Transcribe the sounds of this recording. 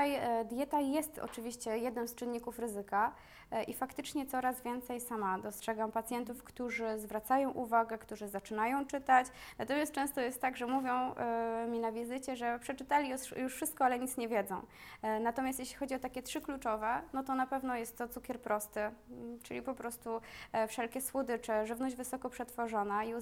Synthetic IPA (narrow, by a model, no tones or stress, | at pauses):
ajd̪ʲjɛt̪ajɛst̪ɔ̰t͡ʂɘvʲiɕt͡ɕɛjɛd̪nɛmst͡ʂɘnːikufɾɘzɘka | ʔifakt̪ɘt͡ʂɲɛt̪sɔɾazvʲjɛnt̪sɛjsamad̪ɔstʂɛɡampat̪sʲjɛnt̪ufkt̪uʐɘzvɾat̪sajɔ̃w̃ʔuvaɡɛkt̪uʐɘzat͡ʂɘnajɔ̃w̃t͡ʂɘt̪at͡ɕnat̪ɔmʲjas̚t͡ʂɛ̃w̃st̪ɔjɛst̪ːaɡʐɛmuvʲjɔ̃w̃mʲinavʲizɘt͡ɕɛʐɛpʂɛt͡ʂɘt̪alʲiɔjuʂfʂɘst̪̚kɔalɛɲit̪sɲɛvʲjɛd̪zɔ̃w̃ | nat̪ɔmʲast̪jɛɕlʲixɔd͡ʑiɔt̪akʲɛt̪ʂɘklut͡ʂɔvɛnɔt̪ɔnapɛvnɔjɛst̪ːɔt̪sukʲɛɾpɾɔst̪ɘt͡ʂɘlʲipɔpɾɔst̪ufʂɛlkʲɛswɔd̪ɘt͡ʂɛʐɘvnɔʑd͡ʑvɘsɔkɔpʂɛt̪fɔʐɔnaiu